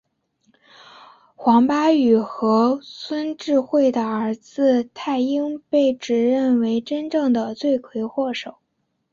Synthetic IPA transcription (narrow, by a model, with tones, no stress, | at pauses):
xwɑ˧˥ŋpa˥y˨˩xɤ˧˥swə˥nʈ͡ʂɻ̩˥˧xwe˥˩ɪd̪ə˩ə˞˧˥d͡zɹ̩˧t̪ʰa˥˩ɪi˥ŋpe˥˩ɪʈ͡ʂɻ̩˨˩ɻə˥˩nwe˧˥ɪʈ͡ʂə˥nʈ͡ʂɤ˥˩ŋd̪ə˩t͡swe˥˩ɪkʰwe˧˥ɪxwɔ˥˩ʂo˨˩˦ʊ